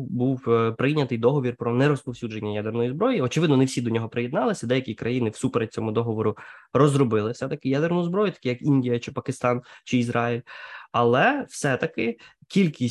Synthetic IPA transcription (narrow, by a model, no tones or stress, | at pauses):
buwpɾɪnʲːɐt̪ɪjd̪ɔɦɔʋʲirpɾɔnɛɾɔspɔwsʲud͡ʒe̞nʲːɐjad̪ernɔjizbɾɔjiɔt͡ʃɪʋɪd̪nɔnewsʲid̪ɔnʲɔɦɔpɾɪjed̪nɑlˠɪsʲɐd̪ɛjɐkʲikɾɐjinɪwsupeɾet̚ʲt͡sʲɔmʊd̪ɔɦɔʋɔɾʊrɔzrɔbɪlˠɪfsɛt̪ɐkɪjad̪ernʊʊzbɾɔjʊt̪ɐ̥kʲijɐkinʲdʲijɐt͡ʃɪpɐkɪst̪ɑnt͡ʃɪizɾɑilʲɐlˠɛwsɛt̪ɐkɪkʲilʲkʲisʲ